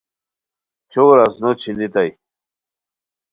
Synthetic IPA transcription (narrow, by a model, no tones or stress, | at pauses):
t͡ɕʰowɾasnot͡ɕʰinit̪aj